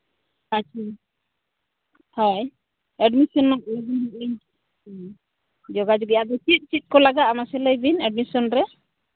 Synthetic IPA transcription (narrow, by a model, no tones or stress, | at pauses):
at͡ʃʰa | haj | ɛɖmisɔnːɔkibiɦk̚iɲ | d͡ʒɔɡad͡ʒɔkɛjad̪ɔt͡ʃit̪̚ˀt͡ʃit̪̚ˀkɔlaɡat̪amasɛlajbinɛɖmisɔnɾɛ